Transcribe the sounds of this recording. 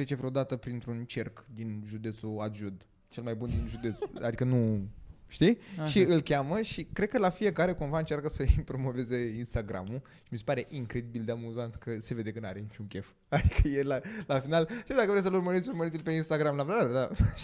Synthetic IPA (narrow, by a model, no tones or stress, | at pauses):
ɾet͡ʃe̞vɾeod̪at̪əpɾint̪ɾunt͡ʃe̞rkd̪inʒud̪e̞t̪suaʒud̪ | t͡ʃe̞lmajbund̪inʒud̪e̞t̪sa̰d̪ikənuʃt̪iʃiɨlkʲaməʃikɾe̞d̪̚kəlafije̞kaɾe̞kumvaɨnt͡ʃarkəsəipɾo̞mo̞ve̞ze̞inst̪aɡɾa̰muʃi̥mis̬e̞paɾe̞ʔiŋkɾe̞d̪ibild̪eamuzant̪kəse̞ve̞d̪ekənaɾe̞nit͡ʃuŋkʲe̞f | ad̪ikʰəjelalafinalʃid̪akəvɾesəlurməɾit̪sʲurməɾit̪ilpe̞inst̪aɡɾamlaveaɾd̪a